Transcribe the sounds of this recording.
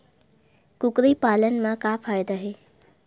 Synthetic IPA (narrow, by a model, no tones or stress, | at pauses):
kʊkɾipaːlənmãkapʰajd̪aɦe